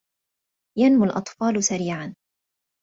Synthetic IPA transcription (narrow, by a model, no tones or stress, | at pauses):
janmʊlʔɑt̪ˤfɑːlʊsaɾiːʕan